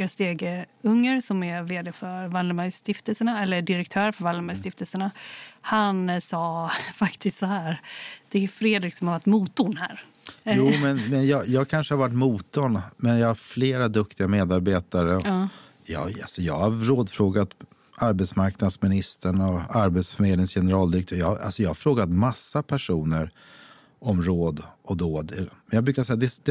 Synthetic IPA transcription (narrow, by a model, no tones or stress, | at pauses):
ast̪eːɡəɵŋːəɾsɔmɛɾveːd̪ɛfœɾvaləɾmaɡst̪ɪft̪əlsəɳaɛlːəɖɪɾɛk̚t̪ʰœːɾfœɾvaləɾmaɡst̪ɪft̪əlsəɳahansɑːfakt̪ʰɪst̪sɔhæːɾd̪̥ɛæfɾeːd̪ɾɪksɔmhaɾvaʈːmuːt̪ːʊnhæ̰ːɾ | juːmɛnmɛnjɑːjɑːɡkʰanʂəhaɾvaʈːmuːt̪ɔnmɛnjɑːɡhaɾfleːɾad̪ɵk̚t̪ɪɡameːd̪aɾbeːt̪aɾəɔ | jɑ̰ːalsɔjɑ̰ːɡhaɾɾoːd̪fɾoːɡat̪ | aɾbɛt̪smaɾknad̪smɪnɪst̪ʰəɳɔaɾbɛt̪sfœmeːd̪ɪŋsjɛnəɾɑːld̪ɪɾɛkt̪ʰøːɾjɑhaʔa̰lsɔjɑːhaɾfɾoːɡat̪masːapʰæʂuːnəɾ | ɔmɾoːd̪ʔɔd̪oːd̪ɛmɛnjɑɡbɾʉkasɛjːad̪ɛd̪ɛ